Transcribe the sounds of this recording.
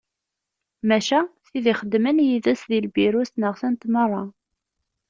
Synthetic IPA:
mæʃæθiðiχəd̪ːmənjiðæsðilbiɾusnəʁθænt̪mərˤːɑ

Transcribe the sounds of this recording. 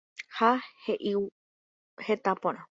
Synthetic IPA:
haheʔiw | het̪apõɾ̃ã

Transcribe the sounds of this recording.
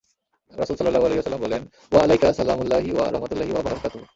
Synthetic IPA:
ɾɐsuːlsɐlːɐlːaːɦualeɦiʋɐsɐlːəmbolen | ʋɐalɐjkɐsɐla̰ːmulːaːɦiʋɐ̰ɾɐ̰ɦmɐt̪ulːaːɦiʋɐbɐɾkaːt̪u

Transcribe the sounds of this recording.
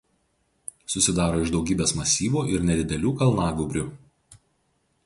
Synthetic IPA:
sʊsʲɪd̪ɑːɾoːɪʒd̪ɒʊɡʲiːbʲeːsmɐsʲiːʋuːʔɪɾnʲɛd̪ʲɪd̪ʲɛlʲuːkɐlˠnɑːɡʊbʲɾʲʊ

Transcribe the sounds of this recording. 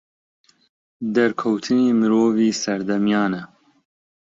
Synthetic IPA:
d̪ɛɾkʰɛwt̪ʰɨneːmɨɾoːviːsɛɾd̪ɛmjɑːnɛ

